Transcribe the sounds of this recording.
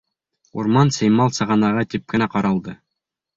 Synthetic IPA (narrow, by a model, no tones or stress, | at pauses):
ṵɾmɑnsæjmɑlˠsɤ̆ʁɑnɑʁɑt̪ip̚kɘ̆næqɑɾɑlˠd̪ɤ